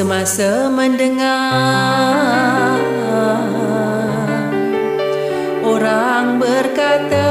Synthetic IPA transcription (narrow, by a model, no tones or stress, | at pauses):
əmasə | məndəŋa | oɾa | ŋbərkat̪a